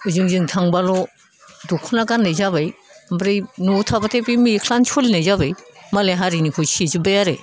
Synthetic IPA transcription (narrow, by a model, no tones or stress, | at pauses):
uzɯŋzɯŋtʰaŋbalɔ | dukʰɔnaɡanːajzaβajmbɾijnutʰabatʰebimikʰlant͡ʃʰulinajzabajmaleɦaɾinikʰɔjsizubajaɾe